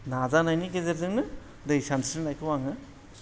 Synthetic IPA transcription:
nazanajniɡezeɾzɯŋnɯ | dɯjsansɯnajkʰɯwaŋɯ

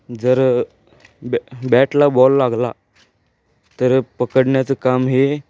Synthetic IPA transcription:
d͡zəɾ | bbɛʈlabɔlːaɡla | t̪əɾpəkəɽɳjat͡səkamɦe

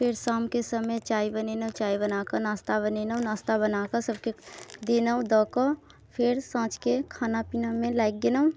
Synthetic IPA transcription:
pʰɪɾsaːmkesəmət͡ʃaːibəneːnə̃t͡ʃaːibənaːkənaːst̪abəneːnaũnaːst̪abənaːkəsəb̚ked̪eːnaũd̪ɔːka | pʰɪɾsãːt͡ʃkekʰaːnapiːnamẽlaːɪk̚ɡenaũ

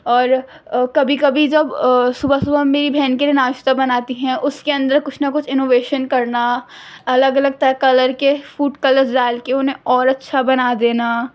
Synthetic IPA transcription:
ɔːɾ | kɐbʱikɐbʱid͡ʒɐbsʊbʱasʊbʱameːɾibʱɛːnkelienaːʃt̪abɐnaːt̪iɦɛ̃ʔʊskeɐ̃nd̪əɾkʊt͡ʃʰnakʊt͡ʃʰɪnoːʋeːʃənkɐɾnaɐləɡɐləɡ̚t̪aɦɛkɐləɾkefuːʈkɐləɾsɖaːlkeʊnɦẽʔɔːɾɐtːʃʰabɐnad̪eːna

